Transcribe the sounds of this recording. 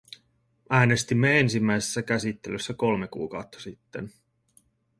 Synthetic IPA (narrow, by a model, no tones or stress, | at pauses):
ʔæːne̞st̪imːee̞nsimːæjse̥sːækæsit̪ːe̞løsːæko̞lme̞kṵːkɑwt̪ːɑ̥sit̪ːḛn